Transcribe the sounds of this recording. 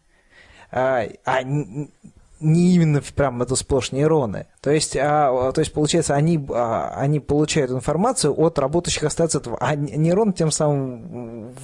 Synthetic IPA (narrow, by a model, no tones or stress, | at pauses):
aa | nʲɪimʲɪnːəpɾʲamɛt̪əsplˠo̞ʂnʲəjɾo̞nɨ̰t̪o̞jɪsʲtʲat̪o̞ɪsʲtʲpəlˠʊt͡ɕæjɪt̪səɐnʲia̰ɐ̰nʲipəlˠʊt͡ɕæjʊt̪ɪnfɐrmat̪sɨjʊʔot̪rɐbo̞t̪əjʏɕːɪxɐst̪t̪ɛt̪əvʔanʲɪɾo̞ntʲe̞msamɨm